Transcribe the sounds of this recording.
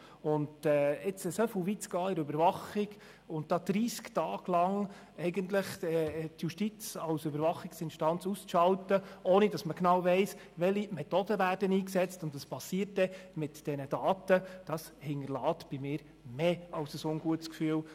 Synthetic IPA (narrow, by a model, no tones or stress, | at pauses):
ʊndɛːɪt͡sɛsofəlvit͡sɡɑːɪɾøbəɾvɑχɪɡ | ʊnt̚d̥ɑːd̪̥ɾiːsktɑːɡ̥lɑŋ | ɛɪɡəntləχɛtjuʃtit͡sɑwsøbəɾvɑχɪksɪnʃtɑnt͡sust͡sʃɑltəoːnid̥ɑsməknɑwvɛɪs | ʋɛlimɛt̪odəvæːrdəniːksɛt͡stʊntɑspɑsːiːəɾtdɛmɪtd̥ɛnəd̥ɑːtəd̥ɑs | hɪnəlɑːtb̥ɪmɪːɾ | meːɑwsəsʊnɡuətskfyːl